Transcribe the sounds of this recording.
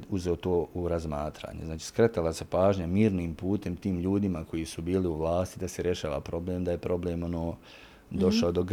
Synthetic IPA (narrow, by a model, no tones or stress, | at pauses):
uzeot̪oːʔuɾazmaːt̪ɾa̰ːɲeznaːt͡ʃi̥ːskɾe̞t̪alase̞paːʒɲamiːɾniːmpuːt̪e̞mt̪iːmʎuːd̪imako̞jisubiːliuʋlˠaːst̪id̪aseɾje̞ʃaːʋa̰pɾo̞bleːmd̪ajepɾo̞bleːmo̞noː | d̪o̞ʃaod̪o̞ɡ